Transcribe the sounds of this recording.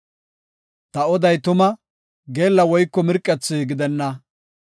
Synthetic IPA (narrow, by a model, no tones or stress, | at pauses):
t̪ɐɔd̪ɐjt̪ʊmɐ | ɡe̞ːlːɐwɔjkːɔmɪɾkʼːɛt͡sːɪɡɪd̪ɛnːɐ